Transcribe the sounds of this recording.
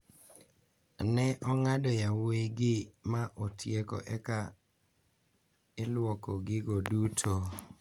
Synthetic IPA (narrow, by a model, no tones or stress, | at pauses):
nɛʔɔŋadɔjaweɡɪmaʔotʰjeko̰ʔɛka | ɪlʊwɔkɔɡɪɡodutʰo